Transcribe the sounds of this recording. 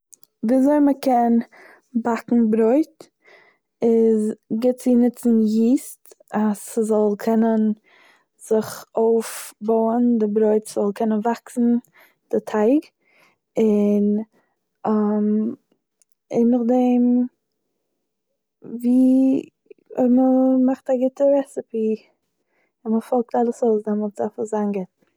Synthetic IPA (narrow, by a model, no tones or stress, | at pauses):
vizoɪməkʰɛn | bakŋ̩bɾoɪt | ɪzɡɪt̚t͡sɪnɪt͡sn̩jiːst | aszɔlˠkʰɛnən | z̥ɪχoʊfboʊəndɪbɾoɪtsz̥ɔlˠkʰɛnənvaksn̩ | d̥ɪtʰaɪɡ | ɪn | am | ḛɪnɪχdeɪm | viː | məmaχtaɡɪtəɾɛsɪpi | ɪnməfɔlˠk̚talˠəsoʊsdɛmɔltz̥afəzaːnɡɪt